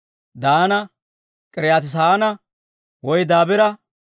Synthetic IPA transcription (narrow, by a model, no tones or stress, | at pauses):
d̪aːnɐ | kʼɪɾjaːt̪ɪs̬aːnɐ | wɔjd̪aːbɛɾɐ